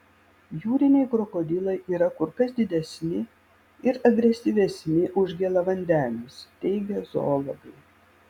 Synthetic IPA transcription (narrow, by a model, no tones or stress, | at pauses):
juːɾʲɪnʲɛɪkɾɔkɔd̪ʲɪlˠɐɪʔiːɾɐkʊɾkɐsd̪ʲɪd̪ʲɛsʲnʲɪ | ɪɾɐɡɾʲɛsʲiʋʲɛsʲnʲɪʔʊʒʲɡʲɛlˠɐʋɐnʲd̪ʲænʲʊst̪ʲɛɪɡʲɛzo̰ːlˠoɡɐɪ